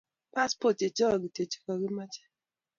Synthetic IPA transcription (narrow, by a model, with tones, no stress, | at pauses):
pa˦spo˦˨te˨t͡ʃɔ˦ɔ˨ɡi˨te˨t͡ʃi̥˨kɔ˨ɡi˦ma˦t͡ʃɛ̥˦